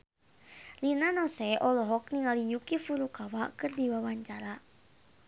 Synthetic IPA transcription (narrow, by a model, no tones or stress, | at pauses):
linanɔsɛʔɔlɔɦɔk̚niŋalijukifuɾukawakɨrdiwawaɲt͡ʃaɾa